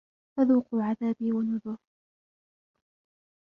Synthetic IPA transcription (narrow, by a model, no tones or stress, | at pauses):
faðuːquʕaðaːbiːwanʊðʊɾ